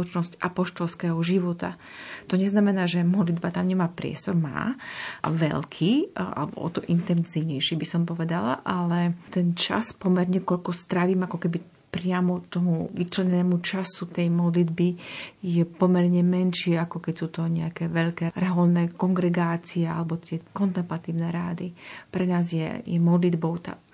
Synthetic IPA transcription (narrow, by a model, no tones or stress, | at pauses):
lɔt͡ʃnɔsca̰pɔʃt̪ɔlskɛːɦɔʒiʋɔt̪a̰ | t̪ɔɲɛznamɛnaːʒɛmɔd̪lid̪bat̪amɲɛmaːpɾɪɛ̰st̪ɔɾma̰ː | ʋɛ̰ʎkʰiːʔa̰lɛbɔ̰ɔ̰t̪ɔʔint̪ɛnziʊɲɛjʃibisɔmpɔʋɛd̪ala̰ʔalɛt̪ɛnt͡ʃa̰spɔmɛɾɲɛkɔʎkɔst̪ɾaʋiːmakɔkɛbi | pɾɪamɔt̪ɔmuʋit͡ʃlɛɲɛnɛːmut͡ʃasut̪ɛjmɔd̪lid̪bijɛpɔmɛɾɲɛmɛnʃɪɛakɔkɛcsuːt̪ɔɲɛakɛːʋɛʎkɛːɾɛɦɔlnɛːkɔŋɡɾɛɡaːt͡siɛa̰lɛbɔt̪ɪɛkɔnt̪ɛmplat̪iːʊnɛːɾaːd̪ipɾɛnaːzjɛ̰jɛmɔd̪lid̪bɔʊt̪a̰